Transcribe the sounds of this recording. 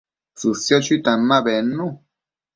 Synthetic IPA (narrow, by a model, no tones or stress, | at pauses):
susjɔt͡ʃit̪amːaβɛnːu